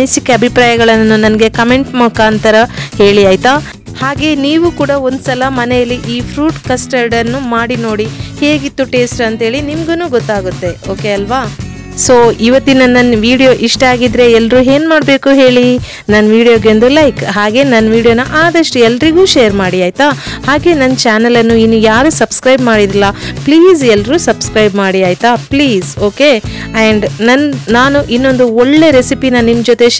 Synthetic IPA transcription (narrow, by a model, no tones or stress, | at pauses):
nisikːeɐbʱipɾaːjɐɡɐɭɐnːunɐnɡe̞kɐme̞ɳʈmɐkaːnt̪ɐɾɐhe̞ːɭiaːjt̪a | haːɡe̞niːʋuːkuːɽɐo̞nd̪usɐlɐmɐnejɐlːiʔiːpʰɾuːʈkɐsʈɐɾɖɐnːumaːɽino̞ːɽihe̞ːɡit̪ːuʈe̞ːsʈɐnt̪ɦeːɭinimɡenuːɡɔt̪ːaːɡut̪ːe̞oːke̞ɐlʋaː | so̞ːiʋɐt̪ːinɐnːɐnʋiːɽijo̞ːʔiʂʈɐaːɡid̪ɾe̞ɛlːɾuːɦe̞ːnmaːɖbe̞ːkuɦe̞ːɭi | nɐnːʋiːɽijoːɡeond̪ulɐjkɦaːɡe̞ːnɐnːʋiːɽijoːnɐʔaːd̪ɐʂʈuɛlːɐɾiɡuːʃeːɐɾmaːɽiaːjt̪ahaːɡe̞ːnɐnːɐt͡ʃaːnɐlɐnːuinːujaːɾusɐbskɾɐjbmaːɽid̪ilːɐpliːzɛlːɐɾuːsɐbskɾɐjbmaːɽiaːjt̪apliːzo̞ːke̞ | ɐɳɖnɐnnaːnuʔinːo̞nd̪uɔɭːe̞ɾesipinɐnimd͡ʒot̪e̞